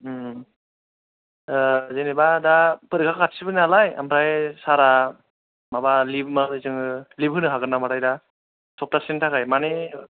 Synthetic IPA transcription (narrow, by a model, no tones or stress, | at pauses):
zenebadapɯɾikʰakkʰatsibɯnalaja̰mpɾajsaɾa | mabalib̚mazɯjsɯŋɯlibɦɯnɯɦaɡɯnamaɾajda | sɔp̚tasentʰakajmane